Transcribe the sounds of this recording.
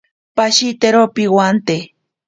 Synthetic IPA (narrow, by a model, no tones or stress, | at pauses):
paʃit̪eɾopiwant̪e